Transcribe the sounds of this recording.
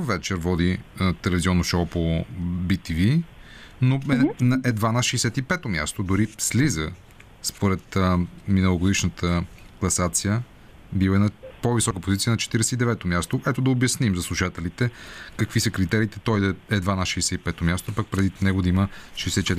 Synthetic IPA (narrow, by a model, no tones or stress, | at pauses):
vɛt͡ʃɛɾvɔd̪it̪ɛlɛviziɔnːoʃɔpobit̪ivi | noɛnɐʔɛd̪vanɐʃɛjsɛt̪ipɛt̪omʲja̰st̪od̪ʊɾislizə | spoɾɛt̪minəlˠoɡʊd̪iʃnət̪ʰəklˠɐsat̪sijə | bivnɐpovisɔkəpozit̪siənɐt͡ʃɛ̥t̪iɾɛsɛid̪ɛvɛt̪omʲjast̪oʔɛt̪od̪ɐobjɐsnimzɐslˠuʃat̪ɛlit̪ɛkəkvisəkɾit̪ɛɾiːt̪ɛ̥t̪ɔjd̪ɐɛd̪vanɐʃɛjsɛipɛt̪omʲjast̪oapɐk̚pɾɛd̪inɛɡod̪ɐiməʃɛjsɛt̪it͡ʃɛt̪